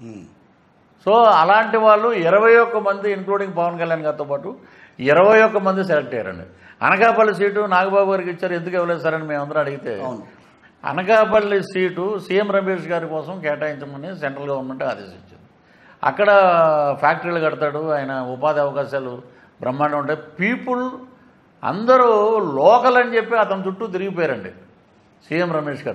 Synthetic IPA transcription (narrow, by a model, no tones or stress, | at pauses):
so̞ːɐlaːɳʈiʋaːɭːuiɾɐʋɐjɔkːɐmɐnd̪iːŋkluːɽiŋɡpɐʋɐnkɐljaːnɡaːɾt̪oːpaːʈu | iɾɐʋɐjɔkːɐmɐnd̪is̬elek̚ʈɛjɐɾɐ̰ɳɖḭ | ɐ̰nɐkaːpɐlːis̬iːʈunaːɡɐbaːbuɡaːɾikit͡ʃːaːɾue̞nd̪ukɛʋɐlɛːs̬aːɾɐnimeːmɐnd̪ɐɾɐmɐɽiɡit̪ḛː | ɐ̰nɐkaːpɐɭːisiːʈusiːjemɾɐmeːʂɡaːɾukɔːsɐmkɛːʈaːjiɲt͡ʃɐmɐniseɳʈɾɐlɡɐʋɐɾnme̞ɳʈa̰ːd̪eːsiɲt͡ʃːind̪i | ɐ̰kːɐɽɐpʰaːk̚ʈɐɾilukɐɽɐt̪aːɽuaːjɐnɐupaːd̪iɐʋɐkaːʃaːlu | bɾɐmːaːnɐuɳʈaːpiːpul | ɐ̰nd̪ɐɾulɔːkɐlɐnit͡ʃe̞pːiɐt̪ɐnɐt͡ʃ̪uʈːut̪̬iɾiɡipɔːjaːɾɐɳɖḭ | siːjemɾɐmeːʂɡaːɾu